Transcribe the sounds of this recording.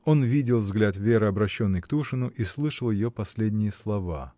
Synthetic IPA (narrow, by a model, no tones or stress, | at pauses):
o̞nvʲidʲɪlˠvzɡlʲat̪vʲe̞ɾɨɐbɾɐɕːo̞nːɨjkt̪uʂɨnʊʔislˠɨʂəlˠjɪjopɐsʲlʲedʲnʲɪjəslˠɐva̰